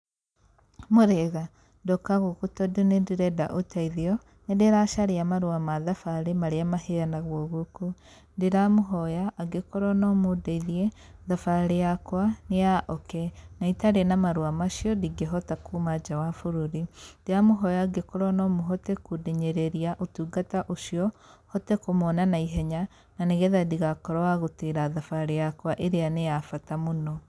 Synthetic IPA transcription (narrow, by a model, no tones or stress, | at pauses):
moɾeɣa | ndɔkaɣukutɔdunediɾɛda̰ʔotaiðiɔ | nedeɾaʃaɾeamaɾuamaðafaɾemaɾeamaɦejanaɣwɔɣuku | ndeɾamoɦɔjaʔːɡekoɾɔnɔmodeiðiɛ | ðafaɾejakwanejaʔɔkɛnaitaɾenamaɾwamaʃjɔdiɡeɦɔtakumad͡ʒawafuɾuɾindeamoɦɔjaɡekoɾɔnɔmoɦɔtɛkudeɲɛɾeɾiaʔotuːɡataʔoʃiɔhɔtɛkomɔnanaiɦɛɲa | naneɣɛðadiɣakɔɾaaɣoteɾaðafaɾejakwaʔeɾeanejafatamonɔ